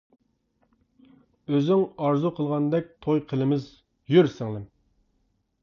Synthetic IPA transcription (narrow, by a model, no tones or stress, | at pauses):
øzyŋɑɾzuqʰəlˠʁɑnd̪ɛk̚ʲt̪ʰojqʰəlˠɪmɪz | jøɾsɪŋlˠɪm